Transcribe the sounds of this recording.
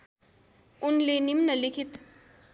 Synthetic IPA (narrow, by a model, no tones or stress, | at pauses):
unlenimnʌlikʰit̪